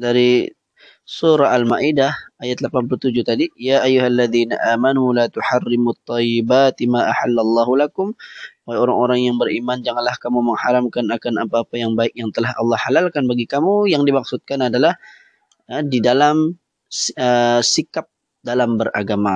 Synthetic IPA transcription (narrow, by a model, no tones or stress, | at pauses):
daɾi | suɾaalmaʔidahajat̪̚lapanp̬əluht̪ud͡ʒut̪adijaʔajuɦalːaðiːna̰ʔaːmanulat̪uħarːɪmut̪ˤːɑjɪbaːt̪imaːʔaħalːalˤːɑːɦulakʊmaajoɾaŋoɾaŋjaŋbəɾʔimand͡ʒaŋanlahkamuməŋhaɾamkanakanapaːpajaŋbaɪk̚jaŋt̪əlahɑ̰lːɑhalalkanbaɡikamujaŋdimak̚sʊt̪̚kanadalah | didalam | əsikap̚ | dalambəra̰ɡama